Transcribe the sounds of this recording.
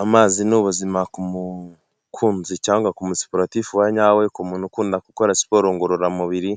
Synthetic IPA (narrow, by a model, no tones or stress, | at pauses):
amaːzinuβuzimakumu | kʰuːnzicaːŋɡakumusi̥poɾatifuwaɲaːwekumunukuːndakuko̞ɾasi̥po̞ɾoːŋɡoɾoɾamuβiɾi